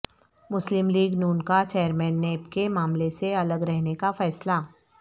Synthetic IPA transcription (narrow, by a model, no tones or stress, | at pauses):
mʊslɪmliːɡnuːnkat͡ʃeːəɾmɛ̃ːnːeːpkemaːmleseɐləɡɾɛɦnekafɛːsla